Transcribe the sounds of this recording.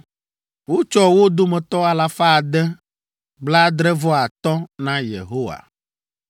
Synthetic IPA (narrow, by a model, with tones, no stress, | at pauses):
wo˦t͡ʃɔ˦wo˦d̪o˦mɛ̃˨t̪ɔ˦a˨la˨fa˦˨d̪ɛ˦ | ɡ͡bla˦d̪ɾɛ˦vɔ˦a˨t̪ɔ˦nã˦jḛ˨ɦo˦wa̰˨